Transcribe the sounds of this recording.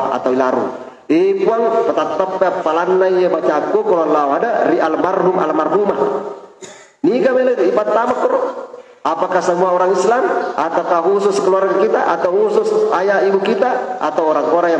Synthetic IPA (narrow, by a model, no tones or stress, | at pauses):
a̰t̪awilaɾṵ | epuaŋpət̪at̪ːapːeapːalanːaijabat͡ʃaɡokɔlalːawɦadaɾiʔalmarɦuma̰lmarɦuma | niɡameləd͡ʒipat̪ːamakːɔɾɔ | apakasəmuaɔɾaŋislamat̪akaɦususkəlwaɾankit̪a̰ʔa̰t̪awɦususajaibukit̪aa̰t̪awɔɾaŋkɔɾaja